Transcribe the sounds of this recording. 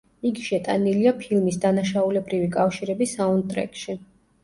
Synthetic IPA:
iɡiʃɛt̪ʼaniliapʰilˠmisd̪anaʃaulɛbɾivikʼafʃiɾɛbisaund̪̚t̪ʼɾɛ̰kʼʃi

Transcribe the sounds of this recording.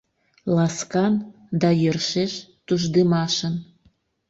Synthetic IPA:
lɑskɑn | d̪ɑjørʃeʃt̪uʒd̪əmɑʃən

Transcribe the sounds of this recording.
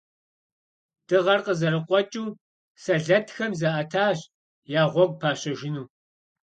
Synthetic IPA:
d̥ɨʁɐrqəzɐɾɨqʷʼɔt͡ʃʼuː | sɐɮɐtʰxɐmzɐʔɐtʰaːɕ | jaːʁʷɔɡ̚ʷpʰaːɕɐʒɪnuː

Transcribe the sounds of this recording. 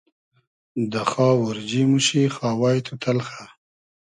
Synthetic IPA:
d̪əxɑːwʊɾd͡ʒimuʃixɑːwɑjt̪ʰut̪ʰalxa

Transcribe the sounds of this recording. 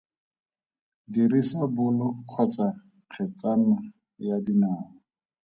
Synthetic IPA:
dirisabʊlʊq͡χʰɔt͡sa | q͡χʰɛt͡sana | jadinaːlɔ

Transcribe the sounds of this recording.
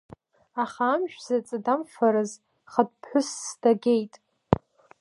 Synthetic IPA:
aχaːmʒᶣz̥at͡sʼadamfaɾɨz | χad̚pʰħʷʊsːdaɡʲejtʼ

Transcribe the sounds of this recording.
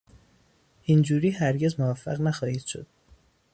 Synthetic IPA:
ʔind͡ʒuːɾiːhæɾɟe̞zmovæfːæɣnæxɒːhiːd̪̥ʃo̞̰d̪̥

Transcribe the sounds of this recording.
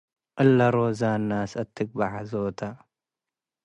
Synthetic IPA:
ʔɐlːɐɾozanːasɐt̪ʰːɨk̚baʕazot̪ʰa

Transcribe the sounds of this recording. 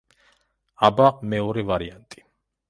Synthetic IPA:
abaʁmɛɔɾɛvaɾiant̪ʼi̥

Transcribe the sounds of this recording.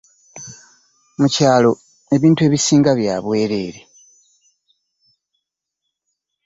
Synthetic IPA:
mucaːlo̞ | e̞βiːntue̞ːβisiːŋɡaβja̰ːβwe̞ːɾe̞ːɾe

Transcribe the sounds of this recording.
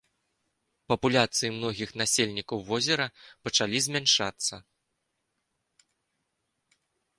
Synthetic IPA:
pɐpulʲat̪sɨjimn̪ɔɣʲixnasʲelʲnʲikɐwvɔzʲɛɾɐpɐt͡ʂalʲizʲmʲanʂat̪sːɐ

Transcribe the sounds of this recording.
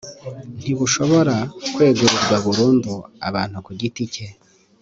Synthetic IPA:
n̥iβuʃo̞βo̞ɾakwe̞ːɡuɾuɾɡwaβuɾuːndua̰βaːn̥hukuɟitice̞

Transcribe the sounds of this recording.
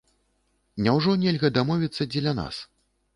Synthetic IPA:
nʲɛwʐɔnʲɛlʲɣɐd̪amɔvʲit̪sːɐd͡zʲɛlʲɐna̰s

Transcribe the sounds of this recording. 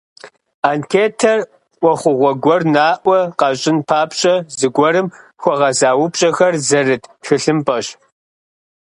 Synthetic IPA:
aːnkʰeːtʰɐr | ʔʷɔχʷʊʁʷɔɡʷɔrnaːʔʷɐqɑɕʼɪnpʰaːpʰɕʼɐzɨɡʷɔɾɨmxʷɔʁɐzaːwʊpɕʼɐxɐrzɐrɨtʰtxɨɬɨmpʼɐɕ

